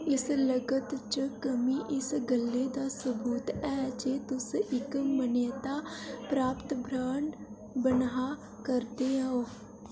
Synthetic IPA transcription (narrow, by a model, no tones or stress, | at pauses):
ɪsləɡət̪t͡ʃəkəmiːʔɪsɡəlːeːd̪aːsəbuːt̪ɛːd͡ʒeːt̪ʊsɪkməneːt̪aːpɾaːpt̪bʱɾaːɳɖ | bənɦaː | kəɾd̪eːãɦoː